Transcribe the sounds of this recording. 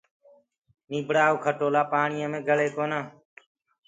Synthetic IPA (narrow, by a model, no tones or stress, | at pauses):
nĩːbʱɽaːoːkʰəʈoːlaːpaːɳɪjəːmẽːɡʱəɭeːkoːnaː